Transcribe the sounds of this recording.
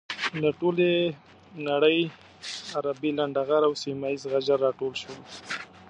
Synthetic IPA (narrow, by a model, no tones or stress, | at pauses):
laʈole | naɽəj | aɾabilaɳɖaɣaɾawsimaizɣad͡ʒaɾːɑʈolʃwəl